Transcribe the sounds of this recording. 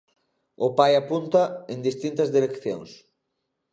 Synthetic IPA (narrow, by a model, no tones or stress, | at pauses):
ʊpajapunt̪ɐeŋd̪ist̪int̪ɐzðiɾekθjo̰ŋs